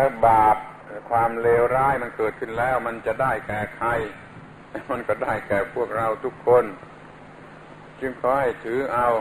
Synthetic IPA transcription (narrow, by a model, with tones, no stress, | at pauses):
t̪ʰɛː˧˥baː˨˩p̚ | kʰwaː˧mleː˧wɾaː˧˥˩jma˧nkɤː˨˩t̪̚kʰɯ˧˩nlɛː˦˥˩wma˧˥nt͡ɕa˨˩ʔdaː˥˩jkɛː˨˩kʰa˧j | t̪ɛː˧˥˩ma˧˨nkɔː˥˩daː˥˩jkɛː˨˩pʰu˥˩ək̚ɾa˧wt̪ʰu˦˥kʰːo˧˥˨n | t͡ɕɯ˧ŋkʰɔː˧˩ha˧˥˩jt̪ʰɯː˨˦ʔa˧w